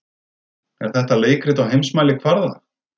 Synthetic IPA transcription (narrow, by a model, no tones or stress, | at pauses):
ɛɾ̥θɛht̪aleːjkɾɪt̪awɦejmsmaːjlɪkʰvaɾða